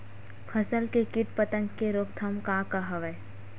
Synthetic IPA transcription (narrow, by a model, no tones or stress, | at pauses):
pʰəsəlkekɪʈpət̪ə̃ŋɡkːeɾoːkt̪ʰɐmkaːkaɦɐʋəe